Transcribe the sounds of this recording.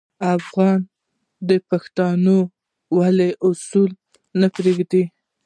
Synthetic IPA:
afɣɑn | d̪əpaxt̪ɑno | waleʔʊsul | napɾeɡd̪i

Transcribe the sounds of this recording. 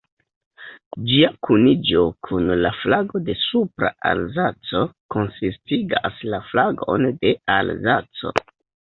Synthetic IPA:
d͡ʒiakʰunid͡ʒo̞kʰunlaflaɡo̞de̞supɾa̰ʔa̰lzat͡so̞ko̞nsistiɡaslaflaɡo̞̰nde̞alzat͡so̞̰

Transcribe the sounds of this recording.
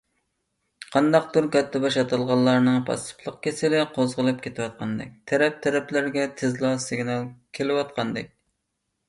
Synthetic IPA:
qʰɑnd̪ɑq̚d̪uɾkʲɛt̪ʰːɛbɑʃɑt̪ʰɑlˠʁɑlˠːɑɾnɨŋpʰɑ̰st̪ɨ̥pʰlˠəq̚kʲesɪlɪqʰozʁəlˠɨp̚kʲʰet̪ʰɪwɑt̪̚qʰɑnd̪ɛ̰k̚ʲt̪ʰɛɾɛp̚t̪ʰɛɾɛplɪɾɡʲɛt̪ʰɪzlˠɑsɨɡʲnɑlˠkʲʰelɪwɑt̪qɑnd̪ɪk̚ʲ

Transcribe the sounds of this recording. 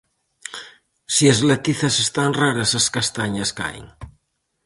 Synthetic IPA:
siezlet̪iθasest̪anraɾasaskast̪aɲaska̰j̰ŋ

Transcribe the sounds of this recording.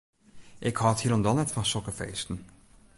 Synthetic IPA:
ʔɪkhɑːthilɔndɑnɛtfɑnsɔkəfḛːstən̩

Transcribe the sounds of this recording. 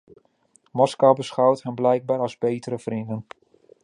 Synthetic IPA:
mɔskawbəsχawtɦənblɛjɡ̚baːɾɑzbejtəɾəvrindən

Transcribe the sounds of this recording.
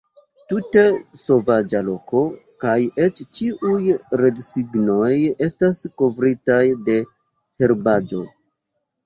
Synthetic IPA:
tute̞so̞vad͡ʒalo̞ko̞kaje̞t͡ʃt͡ʃiʔujɾe̞dsiɡno̞je̞stasko̞vɾitajde̞ | he̞ɾbad͡ʒo̞

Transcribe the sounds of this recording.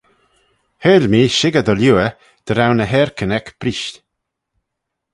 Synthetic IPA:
heːlmiːʃɪɡədəljuə | d̪̥əɾawnəɦɛːɹkʰənɛkb̥ɾiʃt

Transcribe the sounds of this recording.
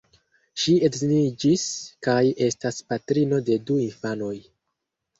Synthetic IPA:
ʃiedzinid͡ʒiskaje̞staspatɾino̞de̞duinfano̞j

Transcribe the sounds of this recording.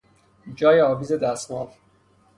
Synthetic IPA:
d͡ʒɒːjeɒːviːzed̪æsmɒːv

